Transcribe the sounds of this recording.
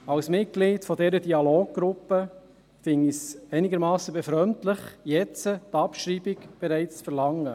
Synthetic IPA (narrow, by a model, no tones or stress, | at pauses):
ɑwsmɪt̚ɡ̥liːtfɔdɛːɾədiɑloːɡ̚ɡ̥ɾʊpːə | fɪŋːisɛɪnɪɡəɾmɑːsːəbɛfɾœmtlɪχjɛt͡sətɑpʃɾiːbɪɡb̥ɛɾæɪt͡st͡sfəɾlɑŋːə